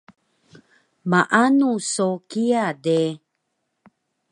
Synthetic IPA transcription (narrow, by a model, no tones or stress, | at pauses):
maʔanusokiade